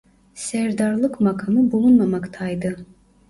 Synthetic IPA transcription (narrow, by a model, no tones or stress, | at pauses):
sɛɾd̪aɾlˠɯkmakʰamɯbulˠunmamakt̪ʰajd̪ɯ